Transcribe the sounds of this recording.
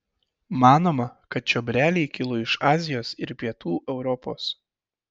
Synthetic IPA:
mɑːnoːmɐkɐt̪̚t͡ʃʲɔːbʲɾʲæːlʲiːkʲɪlˠʊɪʃɑːzʲɪjoːsɪɾpʲiɛt̪uːʔɛʊɾɔpo̰ːs

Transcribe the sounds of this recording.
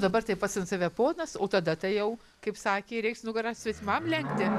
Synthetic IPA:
d̪ɐbɐrt̪ɐɪpɐtsʲɪnt̪sɑʋʲɛpoːnɐsoːt̪ɐd̪ɐt̪ɐɪjɛʊ | kɐɪpsɑːkʲeːɾʲɛɪksnʊɡɐɾɑsʲʋʲɛt̪ʲɪmɐmlʲɛŋkt̪ʲɪ

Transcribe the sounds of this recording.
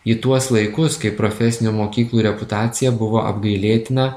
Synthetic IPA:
it̪uɔslˠɐɪkʊskɐɪpɾoːfʲɛsʲɪnʲuːmoːkʲiːklˠuːɾʲɛpʊt̪ɑːt̪sʲɪjɛbʊʋoːʔɐ̰bɡɐɪlʲeːt̪ʲɪnɐ

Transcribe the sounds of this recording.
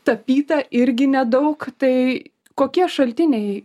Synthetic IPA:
t̪ɐpʲiːt̪ɐʔɪɾʲɡʲɪnʲɛd̪ɐʊkt̪ɐɪ | koːkʲiɛʃɐlʲt̪ʲɪnʲɛɪ

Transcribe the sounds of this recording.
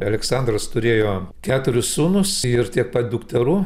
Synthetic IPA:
ɐlʲɛksɑnd̪rɐst̪ʊɾʲeːjoːkʲæːt̪ʊɾʲʊssuːnʊsɪɾt̪ʲiɛk̚pɐt̪̚d̪ukt̪ʲɛɾuː

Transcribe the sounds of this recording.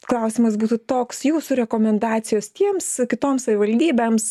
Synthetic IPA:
klˠɐˑʊsʲimɐsbuːt̪ut̪oːksjuːsʊɾʲɛkoːmʲɛnd̪ɑːt̪sʲɪjoːst̪ʲiɛmskʲɪt̪oːmsɐʋʲɪʋɐlʲd̪ʲiːbʲɛːms

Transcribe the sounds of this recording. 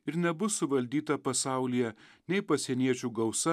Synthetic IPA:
ɪɾnʲɛbʊsʊʋɐlʲd̪ʲiːt̪ɐpɐsɑˑʊlʲɪjɛnʲɛɪpɐsʲɛnʲiɛt͡ʃʲuːɡɐʊsɐ

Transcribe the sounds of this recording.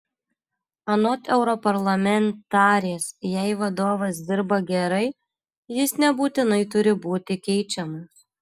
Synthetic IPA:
ɐnoːt̪ɛʊɾɔpɐɾlˠɐmʲɛnt̪ɑːɾʲjɛsjɛɪʋɐd̪oːʋɐs̬d̪ʲɪɾbɐɡʲɛɾɐɪ | jɪsnʲɛbuːt̪ʲɪnɐɪt̪ʊɾʲɪbuːt̪ʲɪkʲɛɪt͡ʃʲɛmɐs

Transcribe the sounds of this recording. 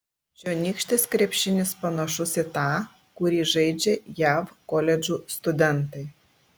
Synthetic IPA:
d͡ʒʲoːnʲiːkʃʲt̪ʲɪskɾʲɛpʲʃʲɪnʲɪspɐnɐʃʊsʲɪt̪ɑː | kʊɾʲiːʒɐɪd͡ʒʲɛjæːfkoːlʲɛd͡ʒʲuːst̪ʊd̪ʲɛnt̪ɐɪ

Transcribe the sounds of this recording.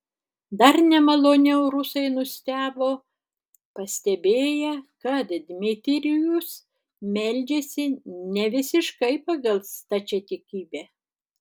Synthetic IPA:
d̪ɐɾnʲɛmɐlˠoːnʲɛʊɾʊsɐɪnʊsʲt̪ʲæːboː | pɐsʲt̪ʲɛbʲeːjɛkɐt̪d̪ʲmʲɪt̪ʲɪɾʲɪjʊs | mʲɛlʲd͡ʒʲeːsʲɪnʲɛʋʲɪsʲɪʃkɐɪpɐɡɐlˠst̪ɐt͡ʃʲɛt̪ʲɪkʲiːbʲæː

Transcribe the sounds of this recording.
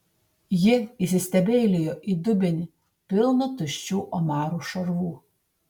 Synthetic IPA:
jɪisʲɪsʲt̪ʲɛbʲeːlʲɪjoʔid̪ʊbʲɪnʲɪ | pʲɪlˠnʊt̪ʊʃʲt͡ʃʲuːʔɔmɑːɾuːˑʃɐɾʋuː

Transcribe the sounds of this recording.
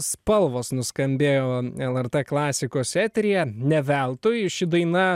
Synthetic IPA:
spɐlˠʋoːsnʊskɐmʲbʲeːjoːɛlˠɛɾt̪ɛːklˠɑːsʲɪkoːsɛːt̪ʲɾʲɪjɛnʲɛʋʲɛlˠt̪ʊjʃʲɪd̪ɐɪnɐ

